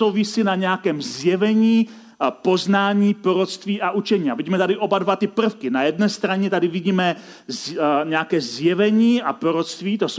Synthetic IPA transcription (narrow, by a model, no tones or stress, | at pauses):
owvɪsinaɲɛakɛːmzjɛvɛɲiː | po̞znaːɲiːpɾoɾot̪st̪viːʔaʔut͡ʃɛɲiːaviɟiːmɛt̪adɪʔo̞badvat̪ɪpr̩fkɪnajɛdnɛːst̪ɾaɲɛt̪adɪvɪɟiːmɛ | zɲɛakɛːzjɛvɛɲiːapɾoɾot̪st̪viːt̪os